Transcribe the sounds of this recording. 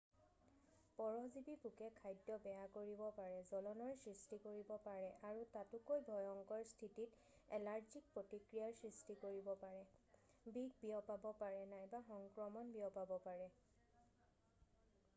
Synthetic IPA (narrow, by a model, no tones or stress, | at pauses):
pɔɹɔzibipukɛkʰajdːɔbɛakoɹibɔpaɹɛzɔlɔnɔɹsɹistikoɹibɔpaɹɛʔaɹutatʊkojbʱɔjɔŋkɔɹstʰitit | ɛlaɹzik̚pɹotikɹijaɹsɹistikoɹibɔpaɹɛ | biɡʱbiɔpabɔpaɹɛnajbaxɔŋkɹɔmɔnbiɔpabɔpaɹɛ